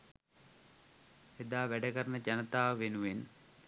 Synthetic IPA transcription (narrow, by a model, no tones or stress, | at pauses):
ed̪aːʋæɖəkəɾənəd͡ʒanət̪aːʋʋenuʋen